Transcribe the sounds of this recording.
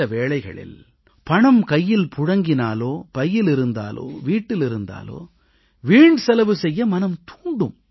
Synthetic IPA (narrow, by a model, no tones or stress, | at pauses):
ɐʋeːɭɐɪɣɐ̰ɭɪ̰l | pɐɳɐmkɐjːɪlpʰʊɽɐŋɡɪnaːloːpɐjːɪlɪɾɯnd̪a̰ːlo̰ːʋiːʈːɪlɪɾɯnd̪a̰ːlo̰ː | ʋiːɳɖsɐlɐʋɯsɛjːɐmɐnɐmt̪uːɳɖɯ̰m